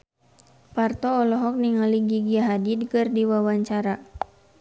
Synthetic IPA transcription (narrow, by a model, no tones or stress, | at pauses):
part̪ɔːlɔɦɔk̚niŋaliɡiɡiaɦadid̚kɨrdiwawaɲt͡ʃaɾa